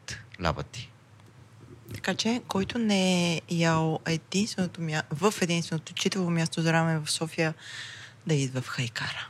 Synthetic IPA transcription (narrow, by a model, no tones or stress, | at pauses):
t̪lʲa̰bə̰t̪i̥ | t̪ɐ̥kat͡ʃɛkɔjt̪ʊnɛɛjalˠɛd̪inst̪vɛnot̪omʲjavəfɛd̪inst̪vɛnot̪ot͡ʃit̪əlˠomʲjast̪ozɐɾamɛvɐfsɔfijə | d̪ɐid̪vəfxɐjkaɾə